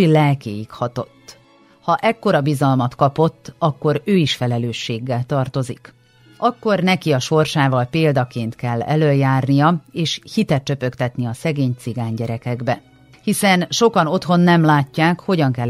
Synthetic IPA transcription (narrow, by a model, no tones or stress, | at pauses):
lɛlkḛːjikhɒt̪o̞t̪ː | hɒʔɛkːo̞ɾɒbizɒlmɒt̪kɒpo̞t̪ːɒkːo̞ɾøːiʃfɛlɛløːʃːeːɡːɛlt̪ɒrt̪o̞zik | ʔɒkːo̞rnɛkiɒʃo̞rʃaːvɒlpeːld̪ɒkeːnt̪kɛlːɛ̰løːljaːrnijɒeːʃhit̪ɛt̪t͡ʃø̞pø̞kt̪ɛt̪niɒsɛɡeːɲt̪siɡaːɲɟɛɾɛkɛɡbɛ | hisɛnʃo̞kɒno̞t̪ho̞nːɛmlaːcːaːkho̞ɟɒŋkɛl